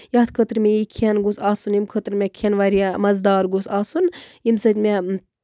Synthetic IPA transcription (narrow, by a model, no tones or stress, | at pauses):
jaːt̪kʰət̪ɾmʲeikʰiɐnɡusaːsunimkʰət̪ɾmʲekʰɐnʋaːɾijamɐzd̪aːɾɡusaːsunjimsət̪ʲmʲe